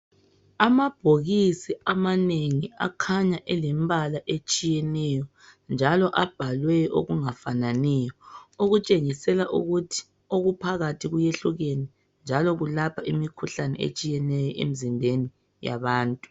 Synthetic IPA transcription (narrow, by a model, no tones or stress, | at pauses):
amab̥ʱoɣisiamaneŋia̰kʰaɲaʔɛlɛmbʱalaʔet͡ʃʼijɛnɛjɔ | nd͡ʒʱalɔʔab̥ʱalwɛo̰ɣuŋafananɛjɔoɣut͡ʃʼeŋisɛlaʔṵɣutʰi̥ | oɣupʰaɣatʰiɣujeɬuɣeni | nd͡ʒʱalɔɣulapʰaʔimikʰuɬanɛ̰ḛt͡ʃʼijɛnɛjɔʔḛmizimbʱeni | ja̰βaːntʼu̥